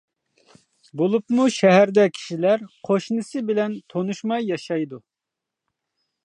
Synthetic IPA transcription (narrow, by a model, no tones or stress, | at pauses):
bolˠupmuʃɛɦæɾd̪ɛkʲʰi̥ʃilæɾqʰoʃnɨsɨbɪlɛnt̪ʰonuʃmɑjːɑʃɑjd̪u